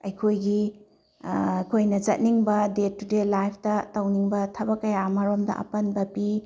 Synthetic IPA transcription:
ɐjkʰojɡi | jkʰojnɐzɐt̚niŋbɐdetudelajpʰtɐtɐwniŋbɐtʰɐbɐkːɐjamɐɾomdɐ̰ʔɐ̰pɐnbɐpi

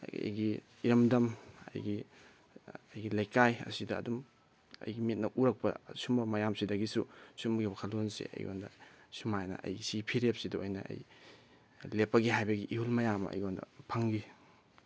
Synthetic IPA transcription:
jɡi | iɾɐmdɐmɐ̰jɡi | ɐjɡilɐjkajɐ̰sidɐ̰ːdum | ɐ̰jɡimit̚nɐʔuɾɐk̚pɐ̰sumɐmɐjamsidɐɡisusumɡiwakʰɐlonsḛɐ̰jɡo̰ndɐ̰ | sumajnɐ̰ɐ̰jɡisipʰiɾep̚sidɐojnɐ̰ɐ̰j | lepːɐɡiɦajbɐɡiʔihulmɐjamɐ̰jɡondɐ̰pʰɐŋɡi

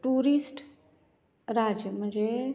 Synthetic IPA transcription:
ʈuːɾisʈ | ɾad͡ʒjəm̤ə̃nd͡ʒe

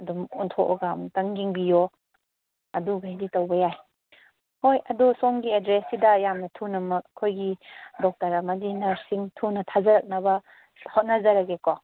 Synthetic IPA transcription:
ɐdumuntʰoʔɔ̰ɡamtɐŋɡiŋbijo | ɐduɡajditɐwbɐjaj | hojɐdusoŋɡiedɾesidɐjamnɐtʰunɐmɐk̚ɐkʰojɡidɔk̚tɐɾamɐdinɐsiŋtʰunɐtʰazɐɾɐk̚nɐbɐ | hot̚nɐzɐɾɐɡeko

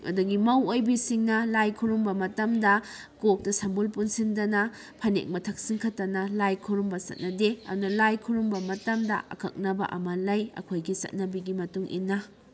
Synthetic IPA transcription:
ɐ̰duɡimɐwojbisiŋnɐlajkʰuɾumbɐmɐtɐmdɐ | kok̚tɐsɐmbulpunsindɐnɐ | pʰɐnḛk̚mɐtʰɐk̚siŋkʰɐtːɐnɐlajkʰuɾumbɐsɐ̰t̚nɐdeɐ̰dunɐlajkʰuɾumbɐmɐtɐmdɐ̰ʔɐ̰kʰɐ̰k̚nɐbɐ̰ʔɐ̰mɐlɐjɐ̰kʰojɡisɐ̰t̚nɐbiɡimɐtuŋʔḭnːɐ

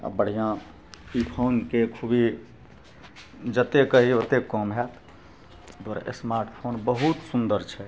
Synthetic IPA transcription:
a̰bəɽ̤ijã | ipʰonkekʰubi | d͡ʒət̪ekəɦiot̪ekɔmɦɛt̪ | d̪aɾa̰ʔḛsmaɾʈpʰonbəɦut̪sund̪əɾt͡ʃʰɛ

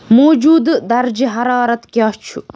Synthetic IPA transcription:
moːd͡ʒuːd̪d̪ɐɾd͡ʒiɦɐɾɑːɾɐt̪kjaːt͡ʃʰu

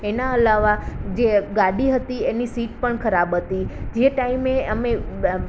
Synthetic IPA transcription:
enaəlaʋad͡ʒeɡaɽiɦət̪ienisiʈ̚pəɳkʰəɾabɦət̪id͡ʒeʈaimeəme

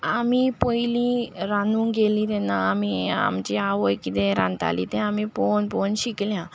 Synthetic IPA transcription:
amipojliɾanũːŋɡelĩt̪ɛnːaːmia̰mt͡ɕiaʋəjkit̪ɛ̃ɾã̰nt̪a̰lḭt̪ɛ̃amiponponɕikljã

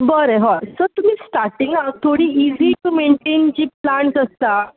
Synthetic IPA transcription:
bəɾeɦɔsəɾt̪um̤iːsʈaɾʈiŋɡat̪ʰoɽiːiziʈumeɳʈend͡ʑiːplaɳsəst̪a

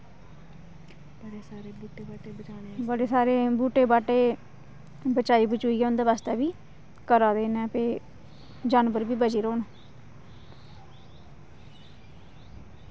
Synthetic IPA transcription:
bəɽeːsaːɾeːbuːʈeːbaːʈeːbət͡ʃaːnebəɽeːsaːɾeːbuːʈeːbaːʈeː | bət͡ʃaːiːbət͡ʃuːiːɡɛːʊ̃nd̪eːʋaːst̪ɛːbiː | kəɾaːd̪eːnɛːpeː | d͡ʒaːnbəɾbiːbət͡ʃiːɾoːnː

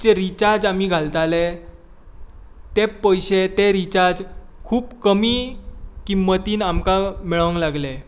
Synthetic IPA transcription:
t͡ɕeɾit͡ɕaɾd͡zam̤iːɡʱalt̪ale | t̪eəjɕet̪eɾit͡ɕaɾd͡ʑkʰuːpkəmiːkimːət̪iːnamkamiɭə̃ŋklaɡle

